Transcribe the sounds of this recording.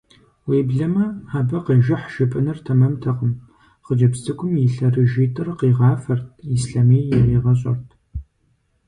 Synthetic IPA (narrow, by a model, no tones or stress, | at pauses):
weːbɮɐmɐaːbɐqiːʒɪħʃɪpʼɨnɨrtʰɐmɐmtʰɐqəm | χəd͡ʒɐpsɨkʷʼʊmjɪɬɐrɨʒiːtʰʼɨrqiːʁɑːfɐrtʰisɬameːjjaiʁɐɕ̬ʼɐrtʰ